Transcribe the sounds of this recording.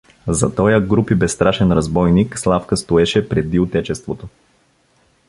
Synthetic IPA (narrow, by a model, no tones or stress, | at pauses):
zɐt̪ɔjəɡɾupibɛst̪ɾaʃɛnɾɐzbɔjnikslˠafkəst̪oɛʃɛpɾɛd̪iʊt̪ɛt͡ʃɛst̪vot̪o